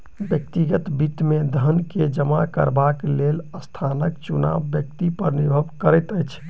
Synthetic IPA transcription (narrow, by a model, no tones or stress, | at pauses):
bjəkt̪iɡət̪biʈmed̪ʱənked͡ʒəmakə̰ɾbakleləst̪ʰanəkt͡ʃuna̰bːjək̚t̪ipəɾnibʱəbkəɾəjt̪əjt͡ʃʰ